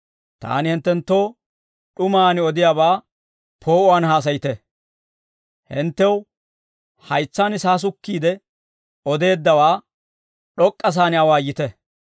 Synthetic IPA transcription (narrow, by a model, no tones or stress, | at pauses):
t̪a̰ːnɪhɪnt̪ːɛnt̪ːo̞ː | ɗʊmaːnɪɔd̪ɪjaːbaː | pʰo̞ːʔʊaːnhaːs̬ɐjɪt̪ɛ | hɪnt̪ːɛw | hɐjt͡sːaːnɪsaːs̬ʊkːiːd̪ɛ | ɔd̪e̞ːd̪ːɐwaː | ɗɔkʼːɐs̬aːnɪɐwaːjɪt̪ɛ